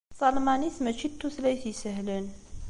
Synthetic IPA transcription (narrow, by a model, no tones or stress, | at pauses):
sˤɑlmanismət͡ʃːit̪ːuslæjθisəɦlən